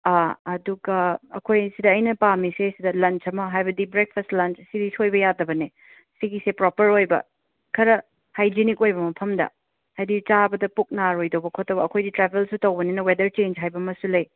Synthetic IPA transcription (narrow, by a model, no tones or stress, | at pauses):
aɐduɡɐːkʰojsidɐːjnɐpamisesidɐlɐnt͡ʃɐmɐɦajbɐdibɾek̚pʰɐstlɐnt͡ʃsiɾisojbɐjadɐbɐne | siɡisepɾopɐɾojbɐ̰ | kʰɐɾɐ | hajd͡ʒinikojbɐmɐpʰɐmdɐ̰ | hajdit͡ʃabɐdɐpuk̚naɾojdɐwbɐkʰotːɐbɐːkʰojditɾabʰʱelsutɐwbɐninɐwedɐɾt͡ʃend͡ʒɦajbɐmɐsulɐj